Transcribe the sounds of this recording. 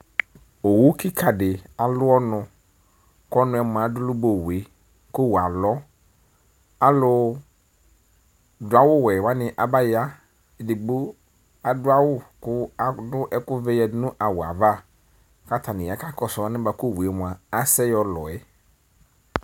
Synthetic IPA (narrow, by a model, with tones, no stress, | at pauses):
o˨wu˦ki˦kʰa˨dɪ˨a˨lʊ˦ɔ˦nʊ̃˨ | kɔ˦nʊ̃˨˦ɛ˨mʊ̃˨ã˨dʊ˦lʊ˦bo˨we˨ | kʊ˦wa˨lɔ˦ | a˦lʊ˦ | dʊ˨˦a˦wʊ˦wɛ˨wa˦nɪ̃˨ʔa˨ba˦ja˦ | ɛ˨dɪ˨ɡ͡bu˦ | a˨dʊ˦a˦wʊ˦kʊ˦a˨˦dʊ˦ʔɛ˦kʊ˦vɛ˦jɛ˨˦nʊ̃˦ʔa˨wʊ˨a̰˨va˦ | ka˦tʰa˨nɪ̃˨a˨ka˦kɔ˨sɔ˨˦a˦nɪ̃˦ba˨kʊ˦˨wɛ˨mʊ̃˨a˨a˦sɛ˦jɔ˦lɔ˨ɛ˦